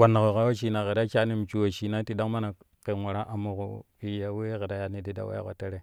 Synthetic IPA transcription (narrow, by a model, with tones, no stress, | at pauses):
wa˨na˨ko˨ɣa˦wo˦ʃi˨na˨ɣe˨da˦t͡ʃa˦ni˦m˨t͡ʃu˦˨wo˨ʃi˨na˦ti˨da˦ma˦na˨ | ke˨ŋu˨ɾa˦ʔa˨mu˨ko̰˨pi˦ja˨we˦ɣe˨da˦ja˨ni˨di˦da̰˨wa̰˦ja̰˦ko̰˨te˦ɾe˦˨